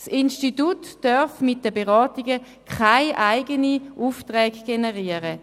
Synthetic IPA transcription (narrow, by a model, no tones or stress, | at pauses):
sinʃtitutdœʁfmɪt̚d̥əbeʁɔːtiɡə | kʰaɪʔaɪɡəniʔuːftʁɛːɡɡ̥enəʁiəʁə